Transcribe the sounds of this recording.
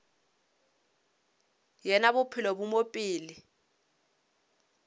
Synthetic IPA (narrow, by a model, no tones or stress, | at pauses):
jɛnaβʊpʰilɔbumopʼiːli